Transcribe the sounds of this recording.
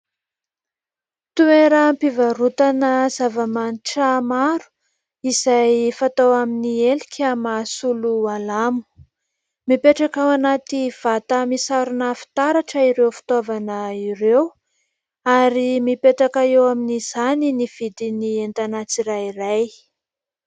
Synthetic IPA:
t̪ueɾəmpivaɾut̪anəzavamaniʈ͡ʂəmaɾu̥ | izajfat̪owaminielikʰʲamasulualamu̥ | mipeʈ͡ʂakawanat̪iv̥at̪əmisaɾunəfi̥t̪aɾaʈ͡ʂəiɾewfi̥t̪ovanəiɾew | aɾimipeʈ͡ʂakaewaminiz̥aniniv̥id̪inient̪anat͡siɾajiraj

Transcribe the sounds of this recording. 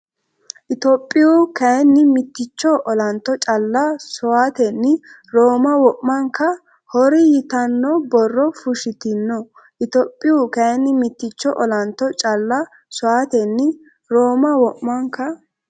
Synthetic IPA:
ʔɪt̪opʼːɪukɐɛnːɪmɪt̪ːɪt͡ʃːɔʔɔlɐnt̪ːɔt͡ʃʼɐlːɐsʊaːt̪ɛnːɪ | ɾoːmɐwɔʔmɐŋkːɐ | hɔɾɪjɪt̪ɐnːɔbɔrːɔfʊʃɪt̪ɪnːɔ | ʔɪt̪ɔːpʼːɪjʊkɐɛnːɪmɪt̪ːɪt͡ʃːɔʔɔlɐnt̪ːɔt͡ʃʼɐlːɐ | sʊwaːt̪ɛnːɪ | ɾoːmɐwɔʔmɐŋkːɐ

